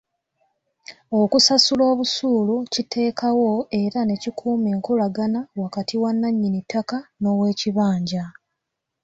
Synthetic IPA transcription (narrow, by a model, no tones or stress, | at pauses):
o̞kusasulo̞ːβusuːlucitʰe̞ːkawo̞e̞ɾane̞cikʰuːme̞ːŋkulaɡanawakatʰiwanːaɲːinitːakano̞we̞ːciβaːɲɟa